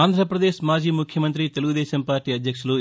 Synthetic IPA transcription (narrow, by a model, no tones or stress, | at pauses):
aːnd̪ʱɾɐpɾɐd̪eːʃmaːd͡ʒiːmukʰjɐmɐnt̪ɾit̪e̞luɡud̪ɛːʃɐmpaːɾʈiːɐd̪jɐkʂulu